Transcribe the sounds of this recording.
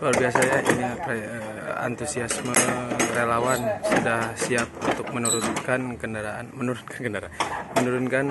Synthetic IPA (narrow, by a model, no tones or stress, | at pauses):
kaarbiasaɲaʔḭnipɾeə | a̰nt̪usiasmərelawansudahsiap̚unt̪ʊk̚mənuɾunkankəndaɾaanmənuɾunkḁnkəndaɾamənuɾunkan